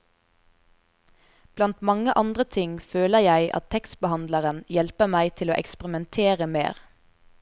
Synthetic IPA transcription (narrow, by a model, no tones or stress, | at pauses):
b̥lɑnt̪mɑŋəʔɑnd̪ʁət̪ʰɪŋføːləjæɪʔɑ̰t̪ʰɛks̚bəhɑnd̪ləʁənjɛlpəmæɪt̪ʰɪloːʔɛkspʁɪmɛnt̪ʰeːʁəmḛːʁ